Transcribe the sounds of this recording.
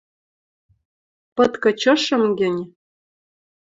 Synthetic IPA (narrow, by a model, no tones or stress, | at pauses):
pɤ̆t̪kɤ̆t͡ɕɤ̆ʃɤ̆mɡɘ̆nʲ